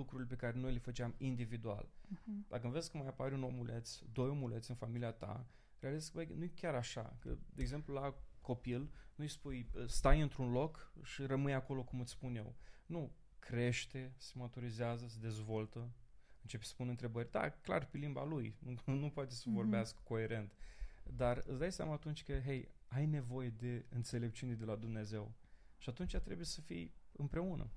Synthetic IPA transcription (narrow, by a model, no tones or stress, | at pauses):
ukɾuɾilepe̞kaɾe̞no̞jlefət͡ʃeamind̪ivid̪ua̰ld̪ak̬əɨnveskəmajapaɾʲunomulet̪sʲd̪o̞jomulet̪sɨnfamiliat̪a̰ | ɾealizeskvəjnujkʲaɾaʃa̰kə̰d̪eeɡze̞mplulako̞pilnujspujst̪ajɨnt̪ɾunlo̞kʃirəmɨjako̞lo̞kumɨt̪sspunje̞̰wnu | kɾe̞ʃt̪e̞semət̪uɾizeazəsed̪e̞zvo̞lt̪ə | ɨnt͡ʃe̞psə̥punɨnt̪ɾe̞bərʲd̪a̰kla̰rpelimba̰lujnunupoat̪e̞səvo̞rbeaskə̥ko̞e̞ɾe̞nt̪d̪arɨt̪sd̪ajsja̰maːt̪unt͡ʃʲkəɦejajne̞vo̞je̞d̪e̞ɨnt̪se̞le̞p̚t͡ʃined̪e̞lad̪umne̞ze̞wʃiat̪unt͡ʃʲat̪ɾe̞buje̞səfḭjɨmpɾe̞unʔə̰